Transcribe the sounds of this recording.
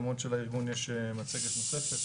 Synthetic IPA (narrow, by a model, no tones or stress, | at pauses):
mot̪ʃelaiʁɡunjeʃemat͡seɡet̪nosefet̪